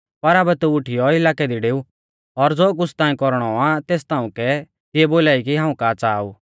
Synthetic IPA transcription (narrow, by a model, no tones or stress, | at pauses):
pɐɾaːbɛt̪uʊʈʰɪjɔɪlaːkɛd̪iɖeːu | ɔɾd͡zoːk̬ʊst̪ãːĩkɔɾɽ̃ɔat̪eːst̪aːũkɛ | t̪ɪɛboːlaːikiɦãːũkaːt͡saːṵː